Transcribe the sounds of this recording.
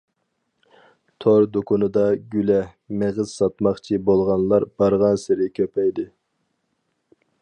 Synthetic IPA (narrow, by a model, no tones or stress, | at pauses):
t̪ʰoɾd̪okʰunɨd̪ɑɡʲylɛ | meʁɨz̥sɑt̪mɑχt͡ʃʰibolˠʁɑnlˠɑɾb̥ɑɾʁɑnsɪɾɪkʲʰøpɛjd̪ɪ